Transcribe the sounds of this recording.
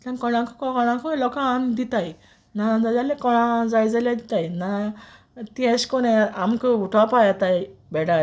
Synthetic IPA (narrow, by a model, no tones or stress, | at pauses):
t̪ãnkɔɽ̃ãkɔkɔkɔɽ̃ãkɔlɔkaːmd̪it̪aj | nad͡zalalekɔɽ̃ãd͡zajd͡zaljad̪it̪ajna | t̪iɛ̃ɕkɔnẽamkəuʈʰapajat̪ajbɛɽa